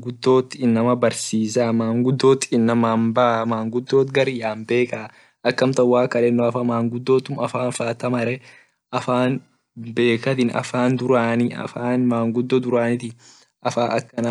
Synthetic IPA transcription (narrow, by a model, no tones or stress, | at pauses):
ɡʊd̪ːo̞ːt̪ːɪnːɐmɐbɐɾsiːsaːmaːŋɡʊd̪ːo̞ːt̪ɪnːɐmaːmbaːmaːŋɡʊd̪ːo̞ːt̪ɡɐɾɪjaːmbe̞ːka | ʔɐkːɐmt̪ɐwaːkːɐlɛnːoːɐfɐmaːŋɡʊd̪ːo̞ːt̪ːʊmɐfaːnfaːt̪ɐmɐɾɛ | ɐfaːn | be̞ːkɐt̪ɪnɐ̰faːnd̪ʊɾaːnɪɐ̰faːnmaːŋɡʊd̪ːod̪ʊɾaːnɪt̪ɪ | ʔɐfaːʔɐkːɐn